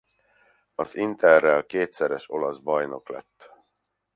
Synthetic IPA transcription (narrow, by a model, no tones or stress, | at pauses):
ɒzint̪ɛrːɛlkeːt̪sɛɾɛʃo̞lɒzbɒjno̞klɛ̰t̪ː